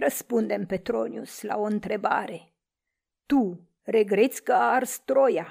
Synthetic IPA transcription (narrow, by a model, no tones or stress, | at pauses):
rəspund̪e̞mpe̞t̪ɾo̞nʲjusla̰o̞ɨnt̪ɾe̞ba̰ɾe̞ | t̪u | ɾe̞ɡɾe̞t̪sʲkəaːrst̪ɾo̞ja